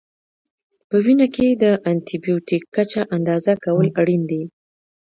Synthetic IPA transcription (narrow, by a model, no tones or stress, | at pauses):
pəwinaked̪əʔant̪ibijutikːat͡ʃaʔand̪ɑzakawəlaɽind̪i